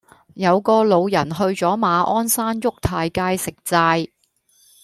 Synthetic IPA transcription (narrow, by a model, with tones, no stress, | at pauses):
jɐ˨˧wkɔː˧lo˨˧wjɐ˨˩nɦɵ˧ɥt͡sɔː˨˥maː˨˧ʔɔː˥nsaː˥njʊ˥k̚t̪ʰaː˧jkaː˧jsɪ˨k̚t͡saː˧j